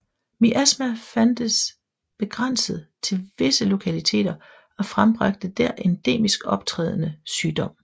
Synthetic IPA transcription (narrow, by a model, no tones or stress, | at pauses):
miʔæsmæfænd̥əs | b̥e̝ɡ̥ʁan̰səð̩ˠt͡sʰe̝lʋe̝səlo̝kʰælit͡sʰe̝̰ːd̥ɐ | ɒ̽fʁamb̥ʁɑ̈ɡ̥̚d̥əd̥æɐ̰ʔend̥e̝̰ːmisɡ̥ɒ̽b̥̚t͡sʰʁɛ̰ːð̞ˠənəsyːd̥ɒ̽m̰